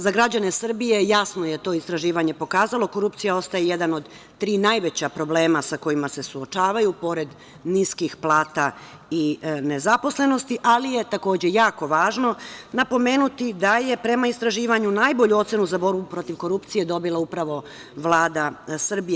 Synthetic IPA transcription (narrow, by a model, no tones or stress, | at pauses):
zaɡɾad͡ʑane̞sr̩bije̞jasno̞je̞t̪o̞ːist̪ɾaʒiːʋaɲe̞po̞kaːzalˠo̞ko̞ɾupt̪sijao̞st̪ajeje̞d̪ano̞d̪ | t̪ɾiːnajʋet͡ɕapɾo̞ble̞ːmasako̞jimase̞suot͡ʃaːʋajupo̞ɾe̞d̪ | niskixplˠaːt̪a | ine̞zapo̞sle̞no̞st̪iʔalije̞t̪ako̞ːd͡ʑe̞jaːko̞ʋaːʒno̞napo̞me̞ːnut̪id̪aje̞pɾe̞maist̪ɾaʒiːʋaɲunajboʎuo̞t̪se̞nuzabo̞ɾbupɾo̞t̪iʋko̞ɾupt̪sije̞d̪o̞bilˠaupɾaʋo̞ | ʋlˠaːd̪asr̩bie